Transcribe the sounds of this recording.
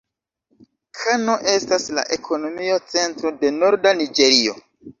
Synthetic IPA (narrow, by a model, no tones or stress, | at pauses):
kʰanoʔe̞stasla̰ʔe̞kʰo̞no̞mio̞t͡se̞ntɾo̞de̞no̞ɾdanid͡ʒe̞ɾio̞